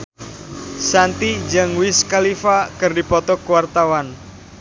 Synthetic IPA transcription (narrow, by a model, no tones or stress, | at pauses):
sant̪id͡ʒəŋwɪskalifakɨrdipɔt̪ɔkwart̪awan